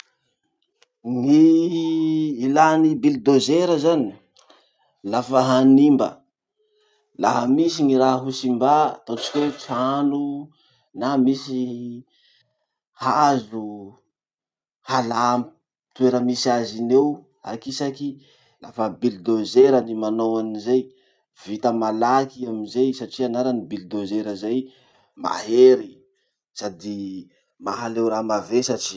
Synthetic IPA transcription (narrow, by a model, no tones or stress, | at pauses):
ŋi | lanibild̪ozeɾəzani̥ | lafəɦanimbə̰ | la̰ɦəmisiŋiɾaɦusimba̰t̪ot͡ʃi̥kʲewt͡sanu | namisi | hazu | halami | t̪ueɾəmisiazinew | a̰kisaki | lafəbild̪ozeɾənimanowanizej | vit̪əmalakiaminzejsaʈ͡ʂianaɾanibild̪ozeɾəzaj | ma̰ɦeɾi | sad̪i | maɦalewɾamavesaʈ͡ʂi̥